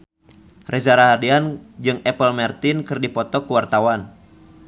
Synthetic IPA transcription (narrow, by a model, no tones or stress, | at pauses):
rʔɛzaɾaɦadiand͡ʒɨŋɛpəlmɛrt̪ɪnkɨrdipɔt̪ɔkuwart̪awan